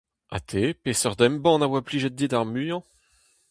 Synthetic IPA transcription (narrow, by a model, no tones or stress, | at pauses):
a̰t̪ʰepesœʁd̪ɛmbɑ̃navwapliʒɛt̪̚d̪id̪aʁmyjɑ̃